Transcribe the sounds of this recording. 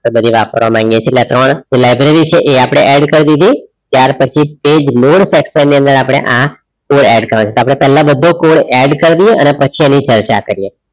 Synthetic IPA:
ebəd̪ʱiʋapəɾʋamãŋɡjet͡ʃʰeːʈljat̪ɾəɳd͡ʒelajbɾeɾit͡ʃʰeʔeapɽ̃eʔɛɖkəɾd̪id̪ʱit̪jaɾpət͡ʃʰiped͡ʒnoɽsɛksənːiə̃nd̪əɾapɽ̃ḛʔã | koɽɛɖkəɾãt͡ʃʰet̪oap̬ɽ̃epɛɦlãbəd̪ʱõkoɽɛɖkəɾd̪ijeʔənepət͡ʃʰiɛnit͡ʃəɾt͡ʃa̰kəɾije

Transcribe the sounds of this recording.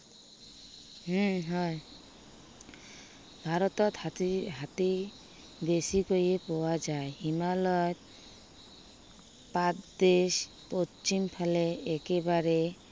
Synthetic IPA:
ɦɦɔj | bʱaɾɔt̪ɔt̪ɦat̪i | besikojepɔwad͡ʒaehimalɔjt̪̚ | pat̪d̪eʃ | pot͡ʃimpʰaleekebaɾe

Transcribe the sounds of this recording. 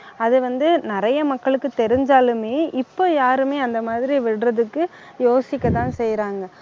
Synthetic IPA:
ɐðɯʋɐnd̪ɯnɪɾɐjɐmɐkːɐɭɯkːɯt̪ɛɾɪɲd͡ʒaːlɯmeːʔɪpːoːjaːɾɯmeːɐnd̪ɐmaːðɪɾiʋɪɽrɐðɯkːɯ | joːsɪkʲːɐt̪ãːnsɛjɾaːŋɡɐ

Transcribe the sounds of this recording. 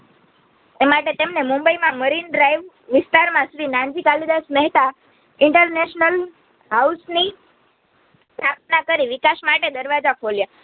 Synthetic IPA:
t̪emaʈet̪emnemumbəimãməɾinɖɾajʋ | ʋist̪aɾmãsʋinãnd͡ʑikalid̪asmɛɦt̪a | iɳʈəɾneɕnəl | ɦausni | pɾat̪nakəɾiʋikaɕmaʈed̪əɾʋad͡zakʰolja

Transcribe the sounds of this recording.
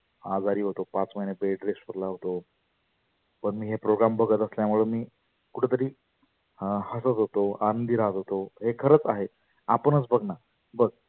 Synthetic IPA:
a̰d͡zaɾiːɦot̪opat͡sməjnebeɖɾesʈʋəɾlaɦot̪o | pəɳmiːɦepɾoɡɾambʱəɡət̪əsljamuɭunmiː | kuʈʰet̪əɾiː | həsət̪ɦot̪oanənd̪iɾat̪ɦot̪oɦekʰəɾət͡saɦe | apəɳət͡sbəɡna | bəɡ̚

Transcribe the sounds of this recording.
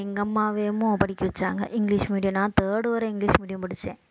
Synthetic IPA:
eŋɡɐmːaːʋeːmːoːpɐʈikʲːiʋɐt͡ɕːaːŋɡɐ̰ʔiŋɡliʂmiːɖjɐmnaːt̪eːɽuʋɐɾeiŋɡɭiːʂmiːɽjɐmpɐɽit͡ɕːeː

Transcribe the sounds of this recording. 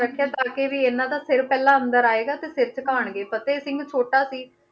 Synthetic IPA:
əkʰːjaːt̪aːkeːʋiːeːnãːd̪aːsɪɾpɛːlãːəmd̪əɾaːeːɡaːt̪eːsɪɾt͡ʃəkaːɳɡeːpət̪eːsɪ̃ŋɡt͡ʃʰoːʈaːsiː

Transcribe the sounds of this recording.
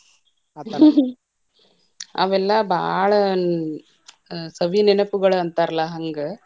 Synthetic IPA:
ɐ̰ʋɛlːaːbʱaːɭɐ | sɐʋininɐpuɣɐɭuɐnt̪aːɾɐlaɦɐŋɡɯ

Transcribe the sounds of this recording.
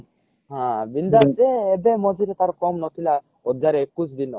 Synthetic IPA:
ɦãbind̪ad͡ʒeebemɔd͡ʒʱiɾet̪aɾkɔmnɔt̪ʰila | odaɾeekusd̪inɔ

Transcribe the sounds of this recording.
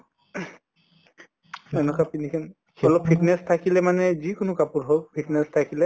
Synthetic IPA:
ɛnɔkapinikʰɛn | ɔlɔp̚pʰitnɛstʰakilɛmanɛzikʊnʊkapuɹɦolpʰitnɛstʰakilɛ

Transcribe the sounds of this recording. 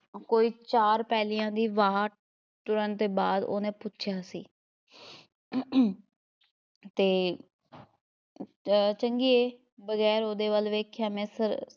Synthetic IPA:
koːiːt͡ʃaːɾpɛːlɪjãːd̪iːʋaːʈ̚ | t̪ʊɾənt̪eːbaːd̪o̰ːnẽːpʊtːʃʰjaːsḭː | t̪eː | t͡ʃəŋɡiːeː | bəɣɛːɾoːd̪eːʋəlʋeːkʰjaːmɛ̃ːsəɾ

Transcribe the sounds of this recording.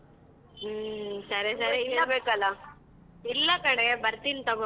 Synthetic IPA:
sɐɾesɐɾeilːɐbeːkɐlːɐ | ilːɐkɐɽebɐɾt̪int̪ɐɡo

